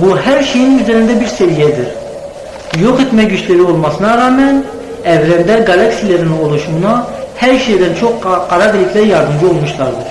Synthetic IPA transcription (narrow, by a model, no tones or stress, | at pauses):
buhæɾʃejinyzɛɾind̪ɛbiɾsɛvijɛd̪iɾ | joqet̪mɛkɟyt͡ʃleɾiolˠmɑsɯnɑɾɑːmɛn | ɛvlɛnd̪ɛɡɑlˠɑksijleɾinɪŋolˠuʃumunɑhɛɾʃejd̪ɛnt͡ʃʰoqqɑɾɑb̪ilːikʰʲlɛɾjɑɾd̪ɯmd͡ʒiolˠmuʃlˠɑɾd̪ɯɾ